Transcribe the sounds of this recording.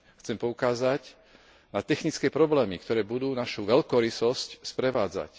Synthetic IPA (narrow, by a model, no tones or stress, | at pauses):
xt͡sɛmpɔukaːzac | nat̪ɛxnit͡skɛːpɾɔblɛːmikt̪ɔɾɛːbud̪uːnaʃuʋɛlkɔɾisɔscspɾɛʋaːd͡za̰c